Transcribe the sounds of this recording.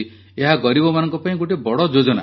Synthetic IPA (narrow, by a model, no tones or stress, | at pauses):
eɦaɡɔɾibɔmanɔ̃ŋkɔpaĩɡoʈibɔɽɔd͡ʒod͡ʒɔna̰